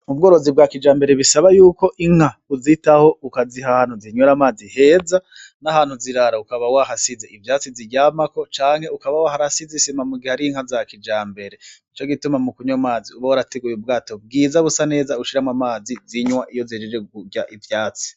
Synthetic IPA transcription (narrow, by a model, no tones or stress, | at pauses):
mub̚ɡo̞ːɾo̞zib̚ɡakid͡ʒaːmbeɾe̞βisaβajuːko̞ʔiŋ̥hauzitaho̞ukazihahaːn̥huziɲoɾamaːzihe̞ːza | nahaːn̥huziɾaɾaukaβawaɦasizeivjaːt͡siziɟaːmako̞t͡ʃaːŋ̥he̞ukaβawahaɾasizisimamuɡihaɾiŋ̥hazakid͡ʒaːmbe̞ɾe̞it͡ʃoɡitumamukuɲamaːziuβawaɾateɡujeubɡaːto̞b̚ɡiːzaβusane̞ːzauʃiɾamwamaːziziɲwaʔijo̞zid͡ʒed͡ʒeɡuɟaʔivjaːt͡si̥